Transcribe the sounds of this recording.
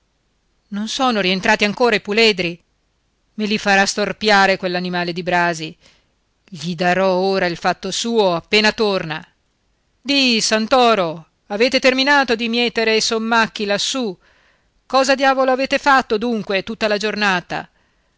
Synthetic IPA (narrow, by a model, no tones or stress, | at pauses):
nonsoːnoɾient̪ɾaːt̪iaŋkoːɾaipulɛːd̪ɾi | milifaɾast̪orpjaːɾekwelːanimaːled̪ibɾaːzi | ʎid̪aɾɔoːɾailfat̪ːosuːoapːeːnat̪orna | d̪isant̪ɔːɾo | aveːt̪et̪erminaːt̪od̪imjɛːt̪eɾejsomːakːilasːu | kɔːzad̪jaːvoloaveːt̪efat̪ːod̪uŋkwet̪ut̪ːalad͡ʒornaːt̪a̰